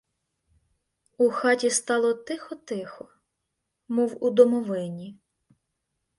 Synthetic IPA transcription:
uxɑtʲist̪ɑlˠɔt̪ɪxɔt̪ɪxɔ | muwud̪ɔmɔʋɪnʲi

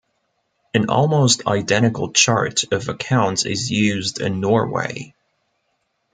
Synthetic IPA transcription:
ɨ̃nɔ̰lˠmoʊstʰa̰ɪdɛ̃ɾ̃ɨkl̩ˠt͡ʃʰɑ̰ɹɾʌvɨkʰãʊ̃ntsɪ̰zjʉzdɪ̰̃nːɔɹwḛɪ

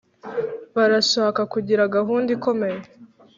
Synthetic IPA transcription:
βaɾaʃakakuɟiɾaɡaɦuːndiko̞me̞je

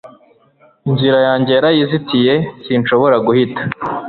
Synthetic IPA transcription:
iɲziɾajaːɲɟe̞jaɾajizitije̞sinʃo̞βo̞ɾaɡuhitḁ

